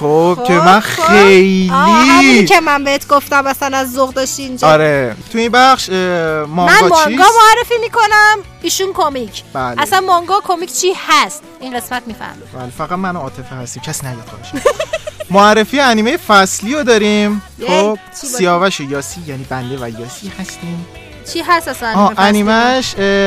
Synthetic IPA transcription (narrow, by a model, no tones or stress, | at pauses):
xob̥kʰemænxejliicʰemænbehet̪ʰɡoft̪æmæsænæzːoɣd̪ɒʃt̪iːnd͡ʒɒɾet̪ʰuimbæxʃmɒŋmænɒmŋiɡɒmoærːefiːmiːkonæm | iːʃunkʰomicʰb̥ælʔæsænmɒŋɡɒːkʰomicʰt͡ʃʰihæst̪iŋɢe̞smæt̪̚miːfæ̰ɾmḭbæːlefæɣæt̪̚mænoɒːt̪ʰe̞fehæst̪iːmcʰæsiːnæd̪id̪̚kʰɒ̰eʃ | moærːefijeæniːmejefæsliːod̪ɒːɾim | xob̥sijɒːvæʃojɒːsijæniːbænd̪e̞væjɒːsihæst̪iːm | t͡ʃʰiːɦæst̪æsænɒːeʔæniːmæʃ